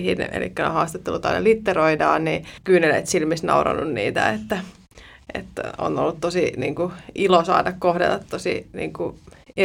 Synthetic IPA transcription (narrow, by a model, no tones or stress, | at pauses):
hinḛlḭkːæno̰hɑːst̪et̪ːelut̪ɑinḛlit̪ːeɾoidɑːnnikyːnelḛit̪silmisnɑ̰urɑ̰nːunnḭːt̪æ̰et̪ːæ | ʔḛt̪ːo̰nolːut̪t̪osiniːŋkuʔilosɑ̰ːdɑkkohdḛt̪ːɑt̪tosḭnḭːŋkue